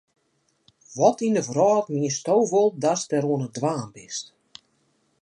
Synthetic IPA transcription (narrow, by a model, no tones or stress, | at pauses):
ʋɔtindəvrɔːtmiəstowʋolˠdastɛɾuənədʋaːmbɪst